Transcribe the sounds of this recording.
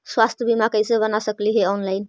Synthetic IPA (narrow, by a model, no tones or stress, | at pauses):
swast̪ʰjəbimakəjsẽbənasəkliɦeɔnlaɪn